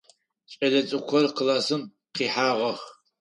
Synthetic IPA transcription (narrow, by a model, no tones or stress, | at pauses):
ɕʼɐdɐt͡sʼɨkʷʰɔrqəlaːsɨm | qiːħaːʁɐx